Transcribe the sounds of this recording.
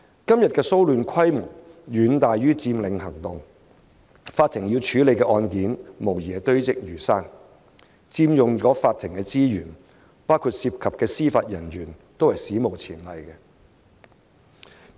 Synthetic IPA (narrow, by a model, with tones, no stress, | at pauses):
kɐ˥mjɐ˨t̚kɛː˧so˥wlyː˨˧nkʰɐ˥jmʊ˨˩ŋɥyː˨˧nt̪aː˨jjyː˥t͡siː˧mlɪ˨˧ŋhɐ˨˩ŋt̪ʊ˨ŋ | faː˧t̪ʰɪ˨˩ŋji˧wt͡ʃʰyː˨˧˥le˨˧jkɛ˧ʔɔː˧nkiː˨˥nmo˨˩wjɛː˨˩t̪ɵ˥ɥt͡sɪ˨k̚jyː˨˩saː˥n | t͡siː˧mjʊ˨ŋt͡ʃɔː˨˥faː˧t̪ʰːɪ˨˩ŋkɛː˧t͡siː˥jyː˨˩n | paː˥wkʰuː˧t̚siː˧p̚kʰɐ˨p̚kɛː˧siː˥faː˧t̚jɐ˨˩nɥyː˨˩nt̪o˥whɐ˨˩jsiː˨˥mo˨˩wt͡sʰiː˨˩nlɐ˨jkɛ˧